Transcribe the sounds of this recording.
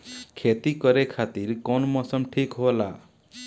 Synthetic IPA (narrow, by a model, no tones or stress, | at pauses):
kʰet̪ikɔɾekʰat̪iɾkɔnmɔsʌmʈʰikɦola